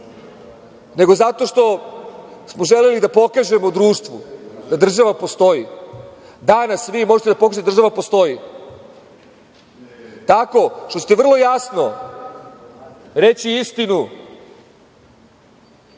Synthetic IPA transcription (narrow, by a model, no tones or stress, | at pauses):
ne̞ɡo̞zat̪o̞ːʃt̪o̞ | smo̞ʒelelid̪apo̞kaʒe̞mod̪ɾuːʂt̪ʋud̪ad̪r̩ʒaʋapo̞st̪o̞ji | d̪anasʋimo̞ʒet̪e̞d̪apokaʒet̪d̪r̩ʒaʋapo̞st̪o̞ji | t̪ako̞ʃt̪o̞st̪eʋr̩lˠo̞jasno̞ | ɾet͡ɕiist̪inu